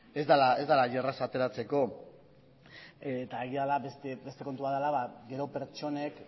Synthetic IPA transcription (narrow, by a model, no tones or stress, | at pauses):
e̞zd̪alae̞zd̪alaʝerasat̪e̞ɾat͡se̞ko̞ | et̪aeɣialabe̞st̪ebe̞st̪e̞ko̞nt̪uβaðalaβaɡe̞ɾo̞pe̞ɾt͡ʃo̞ne̞k